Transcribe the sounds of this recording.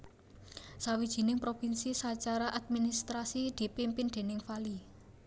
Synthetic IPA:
sawid̥ʒ̥i̤nɪŋpɾopinsisat͡ʃaɾaʔad̪̚minist̪ɾasid̪̥i̤pimpɪnd̪̥e̤nɪŋfali

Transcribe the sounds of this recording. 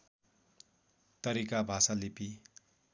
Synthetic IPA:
t̪ʌɾikabʱasalipi

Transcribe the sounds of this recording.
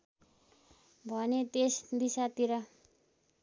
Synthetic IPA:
bʱʌnet̪esd̪isat̪iɾʌ

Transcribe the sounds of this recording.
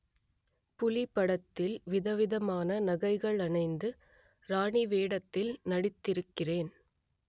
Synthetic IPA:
pʊlɪpːɐɽɐt̪ːɪlʋɪðɐʋɪðɐmaːnɐnɐɣɐɪɣɐɭɐnɐɪnd̪ɯ | ɾaːɳiʋeːɽɐt̪ːɪlnɐɽɪt̪ːɪɾɯkːɪreːn

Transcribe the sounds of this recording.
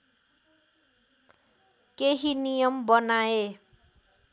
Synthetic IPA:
keɦinijʌmbʌnae

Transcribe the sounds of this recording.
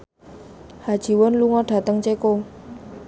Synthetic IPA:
had̥ʒ̥i̤wʊnluŋɔɖ̥a̤t̪əŋt͡ʃeko

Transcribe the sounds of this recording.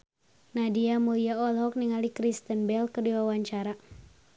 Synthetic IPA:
nadiamuliaɔlɦɔk̚niŋalikɾist̪ənbɛlkərdiwawaɲt͡ʃaɾa

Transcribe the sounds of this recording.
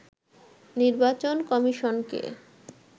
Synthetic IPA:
niɾbat͡ɕonkɔmiʃonkḛ

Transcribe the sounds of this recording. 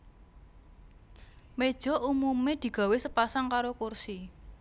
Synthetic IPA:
med̥ʒ̥ɔ̤ʔumumed̪̥i̤ɡ̥a̤wesəpasaŋkaɾokursi

